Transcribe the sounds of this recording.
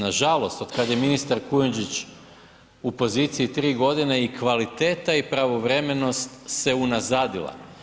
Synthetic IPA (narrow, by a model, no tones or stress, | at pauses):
naʒalˠo̞st̪o̞d̪kad̪jeminist̪aɾkujend͡ʒit͡ɕ | upo̞zit̪siit̪ɾiːɡo̞d̪ineikʋalit̪eːt̪aipɾaʋo̞ʋɾe̞me̞no̞st̪se̞unazaːd̪ilˠa̰